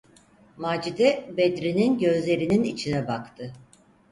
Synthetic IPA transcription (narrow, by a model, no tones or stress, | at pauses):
maːd͡ʒid̪ɛbed̪ɾininɟø̞zlʲe̞ɾininit͡ʃʰinɛbakt̪ʰɯ